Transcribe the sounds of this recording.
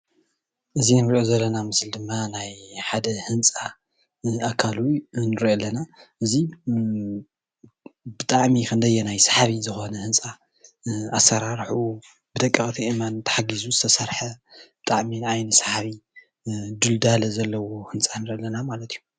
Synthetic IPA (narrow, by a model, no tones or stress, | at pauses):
ʔɨzinɨɾiʔo̞zɐlːɐnamɨsld̪ɨmːanajħad̪ɐhɨnt͡sʼa | akʰalunɨɾolːɐnaʔɨzi | bɨt̪ʼaʕmikʰɨnd̪ɐjːenajsḁħaβizɨxo̞nɐhɨnt͡sʼa | asɐɾaɾħu | bɨd̪ɐkʼːɐxʼt̪ʰiʔimant̪ʰɐ̥ħaɡizuzɨt̪ʰɐsɐɾħɐb̥ɨt̪ʼaʕmiajnɨsḁħaβi | d̪uld̪alɐzɐlːɐwohɨnt͡sʼanɨɾolːɐnamalɐt̪ʰijːu